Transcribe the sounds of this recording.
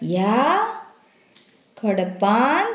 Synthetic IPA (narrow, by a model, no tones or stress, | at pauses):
ja | kʰɔɽɐpːaːn